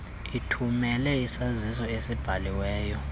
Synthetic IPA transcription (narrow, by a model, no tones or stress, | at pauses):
itʰumɛlɛisazisɔesib̥ʱaliwɛːjɔ